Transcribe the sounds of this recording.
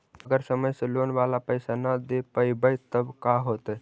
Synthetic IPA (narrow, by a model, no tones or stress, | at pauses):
əɡəɾsəməjsəlonʋalapəjsanəd̪epəibəjt̪əbkaɦot̪ə